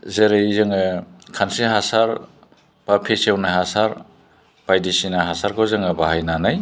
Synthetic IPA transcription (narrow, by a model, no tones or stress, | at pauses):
zeɾezɯŋɯkʰantsiɦasaɾ | b̥apʰesewnaɦasaɾ | b̥ajdisinaɦasaɾkʰɔzɯŋɯbaɦajnanaj